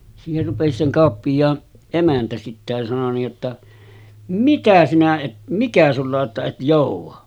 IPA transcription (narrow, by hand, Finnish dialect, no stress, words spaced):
siːher rupesi se kɑˑopːijˑɑːn emæntæ sitːe jɑ sɑno niːj jotːɑ mikæ sinæ et mikæ sulːɑ oʔ ʔetːæ et joˑuʋˑɑ